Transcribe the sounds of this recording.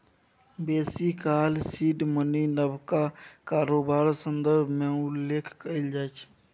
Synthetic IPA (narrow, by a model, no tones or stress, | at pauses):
beːsikaːlsiːʈməninəbʱkakaːɾoːbaːɾsə̃nd̪əɾbʱmẽʊlːeːkʰkəɪld͡ʒaːt͡ʃʰ